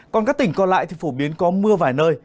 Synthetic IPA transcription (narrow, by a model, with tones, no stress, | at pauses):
kɔ˨˩nkaː˦˥k̚t̪ï˧˩ŋ̟kɔ˧nla̰ː˧˨jt̪ʰi˨˩fo˧˩ɓi˨˦ənkɔ˨˦mɨ˧əvaː˨˩jnəː˧j